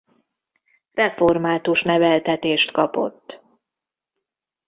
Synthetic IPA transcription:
rɛfo̞rmaːt̪uʃnɛvɛlt̪ɛt̪eːʃt̪kɒpo̞̰t̪ː

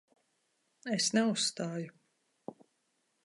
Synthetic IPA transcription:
esnɛusːt̪aːju

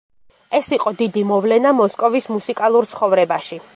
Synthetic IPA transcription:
ɛsiqʼɔd̪id̪imɔvlɛnamɔskʼɔvismusikʼalˠuɾt̪sʰχɔvɾɛbaʃi

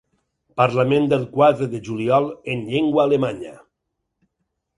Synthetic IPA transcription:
paɾlamẽnd̪elˠkwaðɾeðeʒuliɔlenʎeŋɡwaːlemaɲa

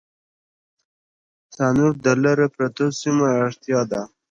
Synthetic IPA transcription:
sɑnuɾd̪əlaɾepɾat̪osimaːɽt̪jɑd̪a

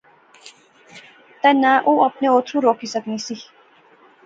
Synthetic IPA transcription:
t̪ɛnaʔuːɐpneoːt̪ʰɾuɾoːkisəknisi

